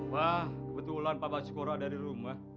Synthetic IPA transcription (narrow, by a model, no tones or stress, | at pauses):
wahəbət̪ulanpabasə̥koɾadaɾiɾumah